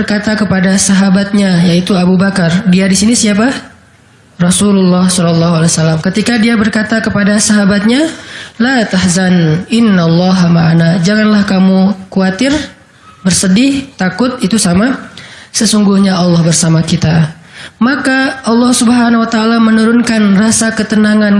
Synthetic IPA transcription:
bərkat̪akəpadasaɦabat̪̚ɲajait̪uabubakardiadisinisiapa | rɑsululːɑhsɔlɔlːɑɦualasalamkət̪ikadiabərkat̪akəpadasaɦabat̪̚ɲalat̪ahzanɪnːalːɑɦamaʔanad͡ʒaŋanlahkamukuat̪ɪr | bərsədɪht̪akʊt̪̚it̪usamasəsuŋɡuhɲaɑlːɑhbərsamakit̪a | makaɑlːɑhsubəɦanawat̪aːlamənuɾʊnkanrasakət̪ənaŋan

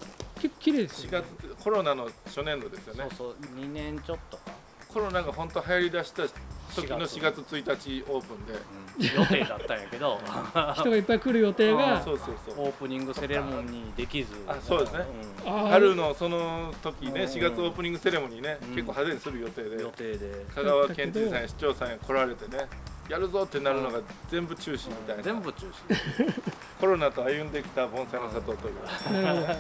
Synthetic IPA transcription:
ke̞kːo̥kʲiɾe̞ːd̪eɕiɡat͡sɨkʰo̞ɾo̞nano̞ɕo̞nẽ̞nd̪o̞d̪e̞sɨjo̞neɲinẽnt͡ɕot̪ːo | kʰo̞ɾo̞naɡaɦõ̞nt̪o̞hajaɾʲid̪aɕi̥t̪at̪o̞kʲino̞ɕiɡat͡sɨt͡sɨit̪at͡ɕio̞ːpɯ̟̃nd̪e̞joteːd̪at̪ːãj̃jake̞d̪oçt̪oɡaipːaikɯ̟ɾɯ̟jo̞t̪e̞ːɡaso̞ːsoːsoːoːpɯ̟ɲ̟ĩŋɡɯ̟seɾemõɲːid̪ekʲizɨasoːd̪e̞sɨne | aɾɯ̟no̞so̞no̞t̪o̞kʲine̞ɕiɡat͡sɨo̞ːpɯ̟ɲ̟ĩŋɡɯse̞ɾe̞moɲ̟ine̞ke̞kkːoːhazeɲisɨɾɯ̟jo̞t̪e̞ːd̪e̞t̪eːd̪ekʰaɡaaβakẽ̞ɲt͡ɕisãjaɕi̥t͡ɕo̞ːsãɰ̃jakʰo̞ɾaɾe̞t̪e̞ne̞jaɾɯ̟zo̞t̪ːenaɾɯ̟no̞ɡazẽ̞mbɯ̟t͡ɕɨːɕĩmːʲit̪ainazẽmbɯt͡ɕɨːɕi | ko̞ɾo̞nat̪o̞ajɯ̟̃nd̪e̞kʲi̥t̪abõ̞ɰ̃sanosat̪o̞ːt̪oɾʲia

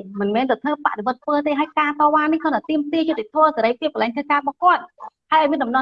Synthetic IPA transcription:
mɨnmɛːnt̪awt̪ʰəːpa̰ʔɗeɓɔ̆ət̪̚ʰʋəːt̪eːɦaəjkaːt̪ɑːʋaːnːihkʰɔnat̪iəmt̪iəjʊt̪ːet̪ʰŏəseɾəjpʰiəp̚kəlɛŋk̪ʰəkaːɓɑhkŏət̪̚haəʔɔmiənɗɑmnɑ

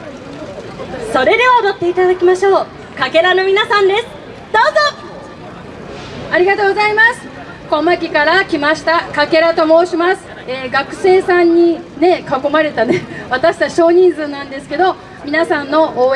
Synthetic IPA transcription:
so̞ɾe̞d̪e̞ood̪o̞t̪ːe̞it̪ad̪akʲimaɕo̞ː | kake̞ɾano̞mʲinasãnd̪e̞sɨ̥ | d̪̥o̞ːzo | aɾʲiɡat̪o̞ːɡo̞zaimasɨ̥ | ko̞mːakʲikaɾakʲimaɕi̥t̪akake̞ɾat̪o̞mo̞ːɕimasɨ̥ | eːɡakɯ̟̥se̞ːsãɲ̟ːine̞kako̞maɾe̞t̪aneβat̪aɕi̥t̪at͡ɕi̥ɕo̞ːɲ̟ĩnzɨːnãnd̪e̞sɨ̥ke̞d̪o̞ | mʲinasãnːo̞ʔoː

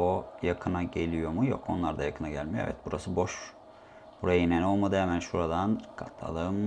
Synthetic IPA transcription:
ojakʰɯnaɟe̞lʲijo̞mujo̰kʰo̞nlˠaɾd̪ajakʰɯnaɟælʲmijoevɛ̰t̪̚buɾasɯbo̞ʃ | buɾajaineno̞lˠmad̪ɯemænʃuɾad̪ankʰa̰t̪ʰlˠa̰lˠɯːm

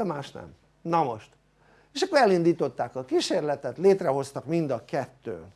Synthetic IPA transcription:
ɛmaːʃnɛ̰m | nɒmo̞̰ʃt̪ | eːʃɒkːoɾɛlind̪iːt̪o̞t̪ːaːkɒkiʃeːrlɛt̪ɛt̪leːt̪rɛɦo̞st̪ɒkmind̪ɒkɛt̪ːø̰ːn

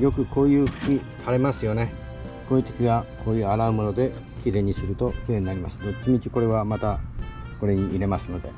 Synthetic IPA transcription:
jo̞kɯ̟kʰo̞ːjɯ̟ːɸɯ̟̥kʲi | haɾe̞masɨjo̞ne̞ | ko̞ːit̪e̥kʲiɡakʰo̞ːjɯ̟ːaɾaɯmo̞no̞d̪e̞ | kʲiɾẽ̞ɲ̟ːisɨɾɯ̟t̪o̞kʲiɾẽ̞ɲ̟inaɾʲima̰sɨ̥d̪et͡ɕimʲit͡ɕi̥ko̞ɾe̞β̞amat̪a | ko̞ɾe̞ɲ̟iʔːɾe̞masɨno̞d̪e̞̰

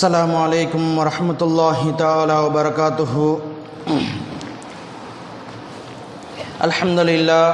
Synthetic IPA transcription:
sːɐlaːmʊʕaleːkʊmwɐɾˤɑħmɐt̪ʊlˤːaːɦɪt̪aʕaːlaːwɐbɐɾɐkaːt̪ʊɦʊ | ʔɐ̰lħɐmd̪ʊlɪlːaː

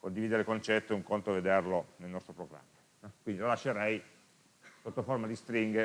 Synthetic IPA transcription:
kond̪ivid̪eɾekont͡ʃɛt̪ːoeuŋkont̪oved̪erlonelnɔst̪ɾopɾoɡɾa̰mːa | kwind̪ilolaʃːeɾɛj | sot̪ːoformad̪ist̪ɾiŋɡe

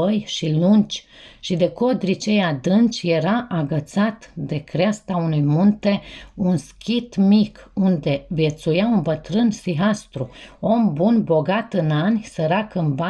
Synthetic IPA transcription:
əjʃilunt͡ʃʲʃid̪e̞ko̞d̪ɾit͡ʃejad̪ɨnt͡ʃʲje̞ɾaʔaɡət̪sat̪d̪e̞kɾeast̪aunujmunt̪e̞unskʲit̪mikund̪e̞vje̞t̪sujaunbət̪ɾɨnsiɦast̪ɾuo̞mbunbo̞ɡat̪ɨnanʲsəɾakɨmba

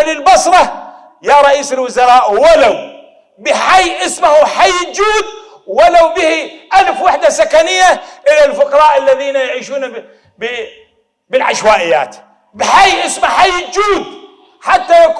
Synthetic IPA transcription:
lɪlbɑsˤɾˤɑ | jaɾˤɑʔiːsɪlwʊzɑɾˤɑːʔwalaw | bɪħajːʔɪsmahuħajːd͡ʒuːd̪̚ | walawbɪhiʔalfwaħd̪asakanɪjːaʔɪlalfʊqɑɾˤɑːʔalːaðiːnajaʕiːʃuːna | b | bɪlʕa̰ʃwaːʔɪjːa̰ːt̪ | bɪħajʔɪsmaħajːd͡ʒuːd̪ | ħat̪ːajak

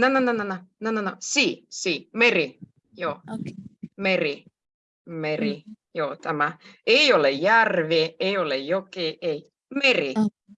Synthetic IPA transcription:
nanananananananosiːsiːmeri | joː | meri | merijoːt̪æmæeiolejærʋeːeiolejokeːʔei | meri

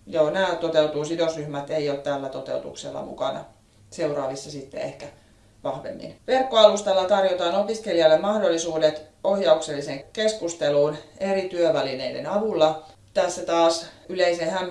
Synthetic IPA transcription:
joːnæːt̪ot̪eut̪uːsidosryhmæt̪eiot̪t̪ælːæt̪ot̪ḛut̪ṵksḛlːɑ̰mṵkɑ̰nɑ̰ | seurɑːʋisːɑsit̪ːḛehkæ | ʋɑhʋḛmːḭnʋerkːoɑlust̪elːɑt̪ɑrjot̪ɑːnopiskeliɑlːemɑhdolːisuːdet̪ohjɑukselːiseŋkeskust̪eluːnerit̪yøʋælinḛidḛnɑʋulːɑ | t̪æsːæt̪ɑːsyleisehæmː

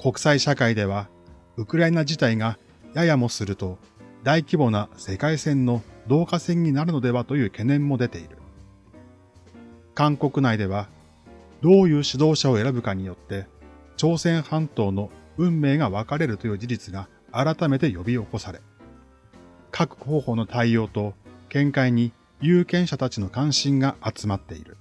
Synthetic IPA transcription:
kʰo̞kɯ̟̥saiɕakaid̪e̞β̞a | ɯ̟kɯ̟ɾaenaʑit̪aiŋa | jajamo̞sɨɾɯ̟t̪o̞ | d̪aikʲibo̞nase̞kaisẽ̞nːo̞d̪o̞ːkasẽ̞ɲ̟ːinaɾɯ̟no̞d̪e̞βat̪o̞jɯ̟ːke̞nẽ̞mːo̞d̪e̞t̪e̞iɾɯ̟ | kãŋko̞kɯ̟naid̪e̞β̞a | d̪o̞ːjɯ̟ːɕid̪o̞ːɕao̞e̞ɾabɯ̟kaɲ̟ijo̞t̪ːe̞t͡ɕo̞ːsẽ̞ɰ̃hãnt̪o̞ːno̞ɯ̟̃mːe̞ːɡaβakaɾe̞ɾɯ̟t̪o̞jɯ̟ːd͡ʑid͡ʑit͡sɨɡaː | ɾat̪ame̞t̪e̞jo̞bʲio̞ko̞saɾe̞ | kʰakɯ̟̥ho̞ːho̞ːno̞t̪ʰaijo̞ːt̪o̞kẽ̞ŋkaiɲ̟i | jɯ̟ːkẽ̞ɰ̃ɕat̪at͡ɕino̞kãɰ̃ɕĩŋɡaʔat͡sɨmat̪ːe̞̰iɾɯ̟

